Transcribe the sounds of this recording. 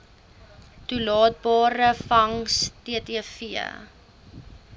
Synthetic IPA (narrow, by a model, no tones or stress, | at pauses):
tulɑːt̚bɑːɾəfɐŋstiətiəfiə̰